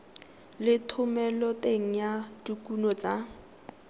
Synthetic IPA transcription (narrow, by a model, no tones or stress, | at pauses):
lɪtʰʊmɛlɔtʼeŋ̩jadukʼunɔt͡sa